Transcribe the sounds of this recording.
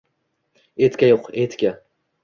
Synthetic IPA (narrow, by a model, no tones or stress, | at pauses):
et̪kʲajoqet̪kʲa